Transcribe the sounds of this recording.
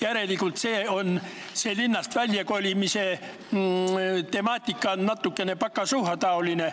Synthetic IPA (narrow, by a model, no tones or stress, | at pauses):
jæɾe̞likult̪seːon | selinːɑst̪vælʲjɑkolʲimise | t̪e̞mɑːt̪ʲːˑikːɑonːɑt̪ːˑukːene̞pɑkːˑɑsuhɑt̪ɑoline